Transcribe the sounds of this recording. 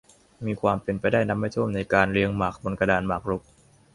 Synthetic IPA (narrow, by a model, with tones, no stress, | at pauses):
miː˧kʰwaː˧mpe˧npa˧jdaː˥˩jna˦˥p̚ma˧˥˩jt̪ʰu˥˩˨mna˧jkaː˧nɾi˧əŋmaː˨˩k̚bo˧nka˧daː˧nmaː˨˩k̚ɾu˦˥k̚